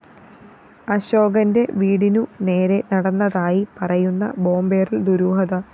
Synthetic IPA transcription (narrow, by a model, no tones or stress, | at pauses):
ɐɕo̞ːɡɐnde̞ʋiːɽinune̞ːɾe̞nɐɽɐnːɐðaːjipɐrɐjunːɐ̰bo̞ːmbeːrild̪uɾuːɦɐðɐ